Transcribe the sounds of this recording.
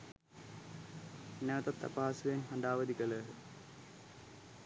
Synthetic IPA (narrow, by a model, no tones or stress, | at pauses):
nɛʋət̪at̪ːa̰paːsuʋenɦaɳɖ̪aːʋəd̪ikələɦə